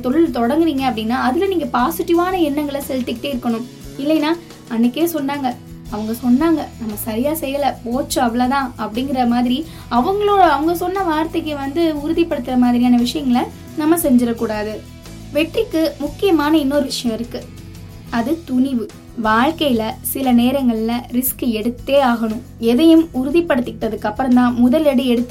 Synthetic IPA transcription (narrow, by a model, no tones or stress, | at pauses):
ɐt̪ɔɭɪlt̪ɔɽɐŋɡɯɾiːŋɡɐɐpːɐɽɪnːaːɐðɪlɐniːŋɡɐpaːsɪʈːɪʋaːnɐɛnːɐŋɡɐɭsɛlt̪ːɯkːɪʈːeːɪɾɯkːɐɳʊ̃m | ɪlːɛnːaː | ɐnːɯkːeːsɔnːaːŋɡɐ | ɐʋɐŋɡɐsɔnːaːŋɡɐnɐmːɐsɐɾɪjaːsɛjːɐlɐpoːt͡ʃːʊ̃ɐʋɐlat̪ãːʔɐpːɐɽɪŋɡɪɾɐmaːðɪɾi | ɐʋɐŋɡɐɭoːɽɐɐʋɐŋɡɐsɔnːɐʋaːɾt̪ːɐkːeʋɐnd̪ɯʊɾʊðipːɐɽɯt̪ːɪɾɐmaːðɪɾɪjaːnɐʋɪʂɐjɐŋɡɐlɐ | nɐmːɐsɛɲd͡ʒɪɾɐkːuːɽaːðɯ | ʋɛʈrɪkːɯmʊkːɪjɐmaːnɐɪnːoːɾɯʋɪʂɐjɐ̃mɪɾɯkːɯ | ɐðɯt̪ʊɳɪʋɯ | ʋaːɻkɐjɪlɐsɪlɐneːɾɐŋɡɐɭɪlɐɾɪskɯɛɽɯt̪ːeːaːɣɐɳʊ̃m | ɛðɐjɯmʊɾʊðipːɐɽɯt̪ːɯkːɪʈːɐðɯkːɐpːɯɾɐmd̪ãːmʊðɐlɛɽɯɛɽɯt̪ːɯ